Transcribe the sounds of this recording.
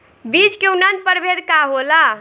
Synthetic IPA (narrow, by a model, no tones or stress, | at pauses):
bit͡ʃkeunə̃nd̪̚pəɾbʱed̪kaɦola